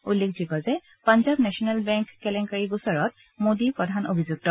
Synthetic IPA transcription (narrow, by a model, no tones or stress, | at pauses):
ulːek̚ʰzikɔzɛ | panzabnɛsɔnɛlbɛŋkːɛlɛŋkaɹiɡusɔɹɔt̚ | modipɹɔdʱano̰bʱizuk̚tɔ